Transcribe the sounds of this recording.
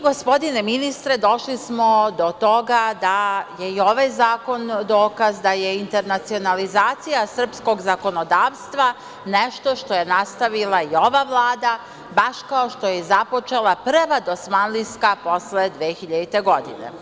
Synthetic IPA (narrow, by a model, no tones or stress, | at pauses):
ɡo̞spo̞d̪ine̞minist̪ɾe̞d̪o̞ʃlismo̞d̪o̞t̪o̞ɡad̪ajeio̞ʋajzaːko̞nd̪o̞ːkazd̪aje̞int̪e̞ɾnat̪sio̞nalizaːt̪sijasr̩psko̞ɡzako̞no̞d̪aːʋst̪ʋa | neʃt̪o̞ʃt̪o̞je̞nast̪aʋilˠaio̞ʋaʋlˠaːd̪a | baʃkaoʃt̪o̞jezapo̞t͡ʃe̞lˠapr̩ʋad̪o̞smanliskapo̞sled̪ʋeːxiʎad̪it̪e̞ɡo̞d̪inḛ